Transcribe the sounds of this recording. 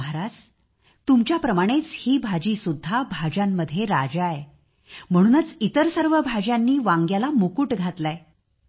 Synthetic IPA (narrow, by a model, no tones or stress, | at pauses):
ɾad͡z | t̪umt͡ɕjapɾəmaɽ̃et͡shiːbʱad͡ʑiːsud̪ʱːabʱad͡ʑamːəd̪ʱːjeɾad͡ʑae | m̤əɽ̃uːnət͡sit̪əɾsəɾʋəbʱad͡ʑjanːiːʋãŋɡjalamokuːʈɡʱat̪lae